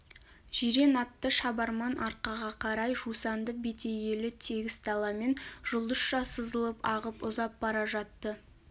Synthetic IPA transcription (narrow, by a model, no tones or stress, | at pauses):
ʒ̥iɾe̞nɑt̪ːəʃɑbɑɾmɑnʔɑɾqɑʁɑqʰɑɾɑjʒusɑnd̪əbet̪e̞je̞lɪt̪ʰeɡʲɪst̪ɑlˠɑme̞nʒ̥ʊlˠd̪əsʃɑsəzəlˠəpɑʁəpʊzɑp̚bɑɾɑʒɑt̪ːə